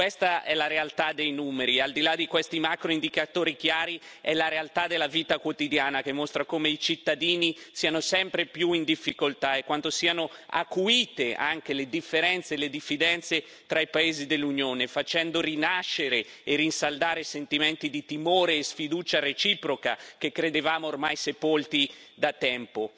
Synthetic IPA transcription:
kwest̪aʔɛlaɾealt̪ad̪ejnuːmeɾiald̪ilad̪ikwest̪imakɾoind̪ikat̪oːɾik̟jaːɾi | ɛlaɾealt̪ad̪elːaviːt̪akwot̪id̪jaːnakemːost̪ɾakomeit͡ʃit̪ːad̪iːnisiːanosɛmpɾepjuind̪ifːikolt̪aɛkːwant̪osiːanoa̰kuiːt̪eʔaŋk̟eled̪ifːeɾɛnt̪seled̪ifːid̪ɛnt̪se | t̪ɾaipaeːzid̪elːunjoːnefat͡ʃɛnd̪orinaʃːeɾe | erinsald̪aːɾesent̪iment̪id̪it̪imoːɾeːsfid̪uːt͡ʃaret͡ʃiːpɾokakekːɾed̪evaːmoormajsepolt̪id̪at̪ːɛmpo

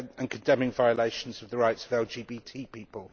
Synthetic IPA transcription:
ə̃nkʰə̃ndɛ̃mɪ̃ŋvaɪəleɪʃə̃nz̥əvðəɹaɪtsəvɛlˠd͡ʒiːbiːtʰiːpiˑpəlˠ

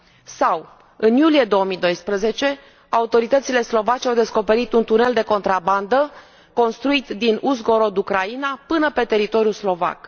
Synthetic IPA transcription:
saw | ɨnjulije̞d̪o̞əmid̪o̞jspɾəze̞t͡ʃe̞ | aut̪o̞ɾit̪ət̪sile̞slo̞vat͡ʃʲawd̪e̞sko̞pe̞ɾit̪unt̪une̞ld̪e̞ko̞nt̪ɾaband̪ə | ko̞nst̪ɾuit̪d̪inuzɡo̞ɾo̞d̪ukɾainapɨnəpe̞t̪e̞ɾit̪o̞ɾijuslo̞va̰k

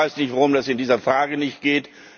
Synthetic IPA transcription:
aɪsnɪçtvaʁʊmdasɪndiːzɐfʁ̥aːɡənɪçtɡ̥eːt

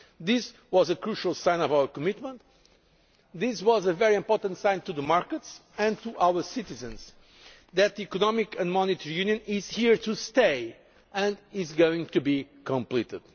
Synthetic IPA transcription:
ðɪs | wɔzəkɹuʃəlˠsãɪ̃nɔvawəɹkɔmɪt̪mə̃nt̪ | ðɪswɔzəvɛɹiɨ̃mpɔɹt̪ə̃ntsãɪ̃nt̪uðəmaɹkəts | ɨ̃nt̪uʔawə˞sitizɨ̃nz | ðɨt̪̚ðiikɔnɔmikɨ̃ndmɔnit̪ʰəɹijʉ̃njɨ̃nɪz̥hiɹt̪ʰust̪eɪ | ɨ̃ndɪzɡoɪ̃ŋt̪ubikʰə̃mplit̪ɪ̰d̪̥

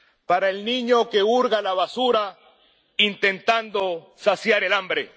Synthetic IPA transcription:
paɾaelnĩɲoke̞uɾɣalaβasuɾa | int̪e̞nt̪and̪o̞ | sasjaɾe̞lambɾe

